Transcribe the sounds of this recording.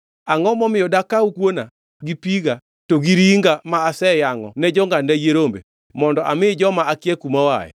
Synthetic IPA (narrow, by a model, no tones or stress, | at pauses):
aŋɔmɔmɪɔdakaukwona | ɡipiɡa | toɡiɾiŋɡamaːsɛjaŋɔ̰nɛd͡ʒɔŋɡandajeɾombḛ | mɔndɔʔamɪd͡ʒɔmaakjɛkumawa̰jɛ̰